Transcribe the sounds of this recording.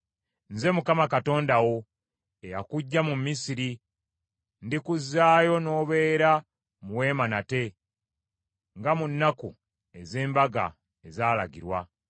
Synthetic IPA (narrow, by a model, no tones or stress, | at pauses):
nze̞mukamakato̞ːndawo̞ | eja̰kuɟːamumisiɾi | ndikuzːaːjo̞no̞ːβe̞ːɾa | muwe̞ːmanate̞ | ŋɡamunːaku | e̞ze̞ːmbaɡa̰ | ezaːla̰ɡḭɾwa